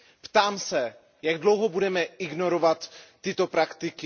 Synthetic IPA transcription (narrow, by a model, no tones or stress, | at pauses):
pt̪aːmsɛ | jaɡdlowɦobudɛmɛɪɡno̞ɾovat̪ː | ɪt̪o̞pɾakt̪ɪkɪ